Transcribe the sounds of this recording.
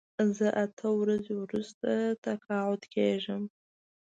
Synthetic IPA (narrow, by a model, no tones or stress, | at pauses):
zəʔat̪ʰəwɾazewɾust̪at̪akɑʕʊd̪kʰeʒəm